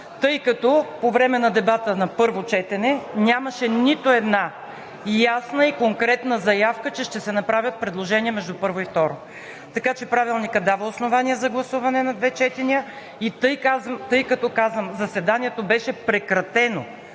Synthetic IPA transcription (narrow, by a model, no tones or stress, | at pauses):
t̪ɤjkɐt̪ɔpovɾɛmɛnɐd̪ɛbat̪ənɐpɤɾvot͡ʃɛt̪ɛnɛnʲamɐʃɛnit̪oɛd̪na | jasnəikoŋkɾɛt̪n̪əzɐjafkət͡ʃɛʃt̪ɛsɛnɐpɾavʲət̪̚pɾɛd̪lˠoʒɛniɛmɛʒd̪upɤɾvoift̪ɔɾo | t̪ɐkat͡ʃɛpɾavilˠnikəd̪avəosnovaniəzɐɡlˠɐsuvɐnɛnɐd̪vɛt͡ʃɛt̪ɛniə | it̪ɤjkazt̪ɤjkɐt̪ɔkazvəmzɐsvɛd̪aniɛt̪obɛʃɛpɾɛkɾɐt̪ɛno